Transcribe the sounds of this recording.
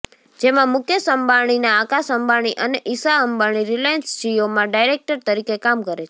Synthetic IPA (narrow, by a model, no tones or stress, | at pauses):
d͡ʒemãmʊkʰjəsəmbaɳ̃inaːkasəmbaɽ̃iʔəneʔisaəmbaɽ̃iɾilajənsd͡ʒijomãɖajɾek̚ʈəɾt̪əɾikekamkəɾet͡ʃʰe̥